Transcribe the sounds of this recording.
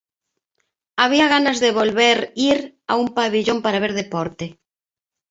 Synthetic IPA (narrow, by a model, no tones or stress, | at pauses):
aβ̞iaɣ̞anazðeβolβeɾiɾa̰umpaβiʎompaɾaβeɾðepɔɾt̪e